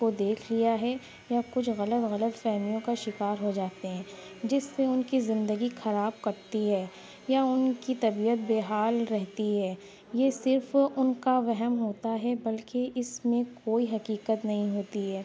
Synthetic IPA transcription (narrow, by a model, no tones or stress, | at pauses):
od̪eːkʰlijaɦɛ | jakʊt͡ʃʰɣɐlət̪ɣɐlət̪fɛːɦmijõkaʃɪkaːɾɦod͡ʒaːt̪eɦɛ̃ː | d͡ʒɪsːeʊnkizɪ̃nd̪əɡixɐɾaːb̚kɐɾt̪iɦɛː | jaʊnkit̪ɐbiːət̪̚beːɦaːlɾɛɦt̪iɦɛː | jesɪɾfʊnkaʋɛɦɛmɦoːt̪aɦɛbɐlkeʔɪsmẽkoːiɦɐkiːkət̪nɐɦĩɦoːt̪iɦɛː